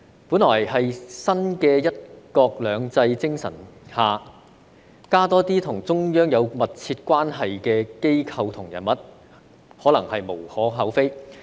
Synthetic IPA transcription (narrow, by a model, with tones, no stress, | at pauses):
puː˨˥nlɔː˨˩jhɐ˨jsɐ˥nkɛː˧jɐ˥t̚kɔː˧k̚lœː˨˧ŋt͡sɐ˧jt͡sɪ˥ŋsɐ̰˨˩nhaː˨ | kaː˥t̪ɔː˥t̪iː˥t̪ʰʊ˨˩ŋt͡sʊ˥ŋjœː˥ŋjɐ˨˧wmɐ˨t̚t͡sʰiː˧t̚kʷaː˥nɦɐ˨jkɛː˧ke˥jkʰɐ˧wt̪ʰʊ˨˩ŋjɐ̰˨˩nmɐ˨t̚ | hɔː˨˥lɐ˨˩ŋhɐ˨jmo˨˩whɔː˨˥ɦɐ˨˥wfe˥j